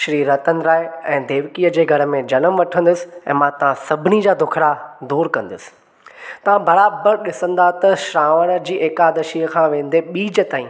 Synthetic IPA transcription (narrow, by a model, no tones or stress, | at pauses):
ʃɾiːɾɐt̪ənɪ̆ɾaːeɛ̃ːd̪eːʋkiːəd͡ʑeːɡʱɐɾə̆mẽd͡ʑɐnəmʋɐʈʰə̃nd̪ʊsɪ̥ɛ̰̃ːmãt̪ɐʋ̤ãsɐbʱɪnid͡ʑaːd̪ʱʊkʰɾad̪uːɾkɐ̃nd̪ʊsɪ̥ | t̪ɐʋ̤ãbɐɾaːbəɾɗɪsə̃nd̪at̪ɐʃɾaːʋəɽ̃d͡ʑiːʔeːkaːd̪ɐʃiːəkʰãʋẽːn̆d̪eɓiːd͡ʑət̪aːĩː